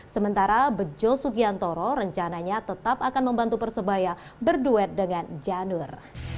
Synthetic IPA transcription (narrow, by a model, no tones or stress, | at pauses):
səmənt̪aɾabəd͡ʒɔsuɡiant̪oɾɔɾəɲt͡ʃanaɲat̪ət̪apakanməmbant̪upərsəbaja | bərduɛt̪̚dəŋand͡ʒanur